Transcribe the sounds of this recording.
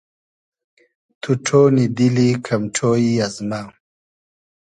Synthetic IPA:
t̪ʰuʈ͡ʂʰoːnid̪ilikʰamʈ͡ʂʰoːiazma

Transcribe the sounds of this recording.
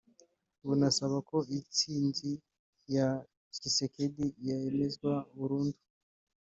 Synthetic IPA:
βunasaβako̞it͡siːnɟi | ja | t͡ʃisekedijaeme̞zɡwauβuɾuːndu̥

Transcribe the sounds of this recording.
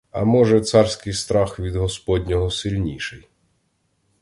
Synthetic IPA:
ɐ̰mɔʒɛt̪sɑrsʲkɪjst̪ɾɑxʋʲid̪ɦɔspɔd̪ʲnʲɔɦɔsɪlʲnʲiʃɪj

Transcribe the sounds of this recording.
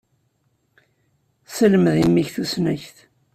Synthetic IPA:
səlməðimːiçθusnæçθ

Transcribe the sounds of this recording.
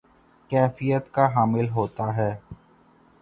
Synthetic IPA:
kɛːfijət̪kaɦaːmɪlɦoːt̪aɦɛː

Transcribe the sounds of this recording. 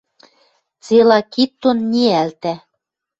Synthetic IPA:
t͡selɑkit̪ːonnʲiælt̪æ

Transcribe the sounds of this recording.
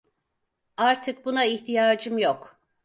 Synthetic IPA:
aɾt̪ʰɯk̚bunaiçt̪ʰijaːd͡ʒɯmjok

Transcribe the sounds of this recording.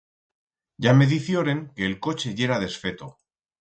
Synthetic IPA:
ɟ͡ʝame̞ðiθjoɾe̞ŋke̞ːlko̞t͡ʃe̞ʝe̞ɾaðe̞sfe̞t̪o

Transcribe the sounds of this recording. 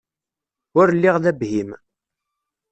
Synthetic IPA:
ʊɾlːɪʁðæbhim

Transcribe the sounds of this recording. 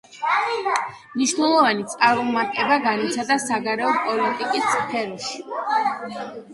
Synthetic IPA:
mniʃnɛlˠɔvanit̪sʼaɾɔmaɾt̪ʼɛbaɡanit̪sʰad̪asaɡaɾɛɔpʼɔlit̪ʼikʼispʰɛɾɔʃi̥

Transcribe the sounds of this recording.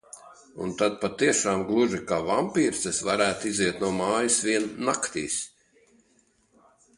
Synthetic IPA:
ṵnt̪ad̪̚pat̪iɛʃaːmɡlˠuʒikavampiːɾt̪sɛsvaɾæːt̪iziɛt̪nuɔmaːjisviɛnːakt̪ḭːs

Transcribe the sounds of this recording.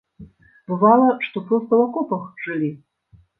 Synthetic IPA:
bɨvalˠɐʂt̪ɔpɾɨwkɐlˠakɔpɐxʐɨlʲi

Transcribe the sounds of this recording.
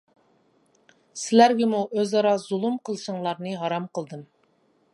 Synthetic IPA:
sɪlæɾɡʲɛmuʔøzɑɾɑzulˠumqʰəlˠɨʃəŋlˠɑɾnɨɦɑɾɑmqəlˠd̪ɨm

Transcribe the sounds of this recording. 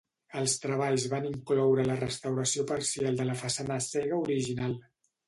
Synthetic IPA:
əlˠst̪ɾəβaʎzβaniŋklɔwɾələrəst̪əwɾəsiopəɾsialˠd̪ələfəsanəsɛɣəuɾiʒinalˠ

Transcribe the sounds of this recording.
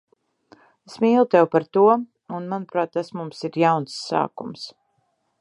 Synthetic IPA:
esmiːlˠt̪ɛwpaɾt̪uɔ | unmanupɾaːt̪ːasmumsiɾjawnsːa̰ːkṵms

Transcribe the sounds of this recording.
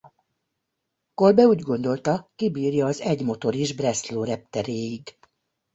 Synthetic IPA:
ko̞lbɛuːɟɡo̞nd̪o̞lt̪ɒkibiːrjɒːzɛɟmo̞t̪o̞ɾiʒbrɛsloːɾɛp̚t̪ɛɾeːjiɡ

